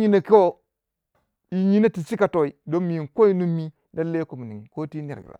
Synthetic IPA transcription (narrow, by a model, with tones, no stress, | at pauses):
ɲi˦na˨ki˦wo˦ | i˨ɲi˦na˦ti˨si˦ka˨to˨i˨do˦mi˨ŋ˨ko˦i˦nu˦mːi˦ | na˦lːe˦ko˨mu˨ni˨ŋi˨ko˦ti˦n˨e˨ɾɡḭ˨ɾa̰˨